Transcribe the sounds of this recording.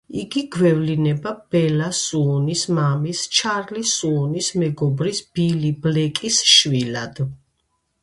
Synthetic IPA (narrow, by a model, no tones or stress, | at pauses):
iɡiɡwɛvlinɛbab̥ɛlasuɔnismamist͡ʃʰaɾlisuɔnismɛɡɔbɾisb̥iliblɛkʼisʃwilad̪̥